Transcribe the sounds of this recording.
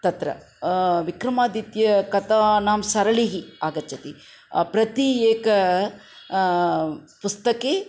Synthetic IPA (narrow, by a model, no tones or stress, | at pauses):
t̪ɐt̪ɾɐ̰ | ʋikɾɐmaːd̪it̪jɐkɐt̪anaːmsɐɾɐɭiɦiaːɡɐt͡ʃːɐt̪i | pɾɐt̪ieːkɐ | pust̪ɐkeː